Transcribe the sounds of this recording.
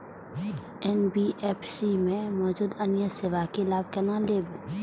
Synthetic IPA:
ɛːnbiʔɛːpʰsimẽmɔːd͡ʒuːd̪ənjəseʋakelaːb̚kɐnaleːbẽ

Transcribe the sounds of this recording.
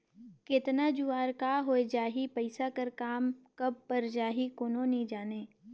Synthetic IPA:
kɪt̪nad͡ʒuaːɾkaɦoːed͡ʒaːɦipəɪsakɐɾkaːmkɐb̚pɐɾd͡ʒaːɦikoːnonĩd͡ʒaːneː

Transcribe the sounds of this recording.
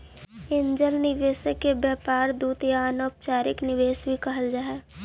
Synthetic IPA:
ɪ̃ɲd͡ʒəlnɪʋeːsəkːebjɛːpaːɾd̪uːt̪jaaːnoːp̚t͡ʃaːɾɪknɪʋeːsbʱikɐɦəld͡ʒaːɦɛː

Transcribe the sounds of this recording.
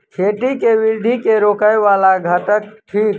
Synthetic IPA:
kʰeːʈikeʋɪɾd̪ʱikeɾoːkəjʋaːlaɡʱəʈ̪ək̚ʈʰiːk

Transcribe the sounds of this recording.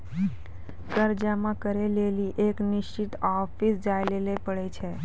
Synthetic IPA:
kəɾd͡ʒamãkəɾeleliʔeknɪʃt͡ʃit̪ɔfʰisd͡ʒajlelepəɭet͡ʃʰe

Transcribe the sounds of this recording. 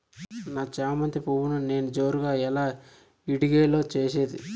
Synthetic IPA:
naːt͡ʃaːɐmɐnt̪ɾipuwunune̞ːnud͡ʒo̞ːɾuɡaːɛlaː | iɽiɡeːlo̞ːt͡ʃeːseːd̪ḭ

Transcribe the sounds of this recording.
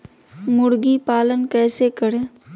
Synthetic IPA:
mʊɽɡipaːlənkɛːsekəɽẽː

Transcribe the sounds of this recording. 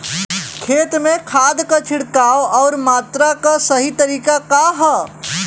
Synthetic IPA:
kʰeːt̪mẽkʰaːd̪kat͡ʃʰɪɽkaːwɔːɾmaːt̪ɾakasəɦit̪əɾiːkakaɦə

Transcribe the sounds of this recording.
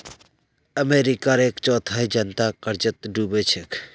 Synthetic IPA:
əmeɾikaɾeːkt͡ʃɔːt̪ʰaɦid͡ʒənt̪akəɾd͡ʒət̪ɖubet͡ʃʰekʰ

